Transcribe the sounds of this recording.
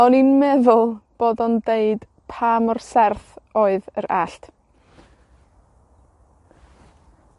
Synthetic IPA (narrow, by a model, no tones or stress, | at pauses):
ɔninmɛðʊlˠb̥oːdɔndeɨd̥ | pʰaːmɔrsɛrθoːɨðəɾaɬtʰ